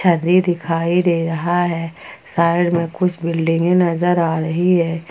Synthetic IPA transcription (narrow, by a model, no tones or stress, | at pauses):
t͡ʃʰɐnd̪id̪ɪkʰaːid̪eːɾɐɦaɦɛːsaːɪɽmẽkʊt͡ʃʰbɪlɖɪ̃ŋɡẽnɐzəɾaːɾɐɦiɦɛː